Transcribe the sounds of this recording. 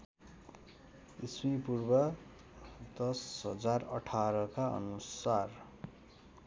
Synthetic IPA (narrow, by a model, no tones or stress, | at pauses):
ismipurbʌ | d̪ʌsɦʌd͡zarʌʈʰaɾʌkaʔʌ̰nusar